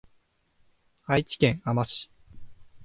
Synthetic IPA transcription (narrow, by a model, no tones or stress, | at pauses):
ait͡ɕi̥kẽ̞ŋ̃amaɕi̥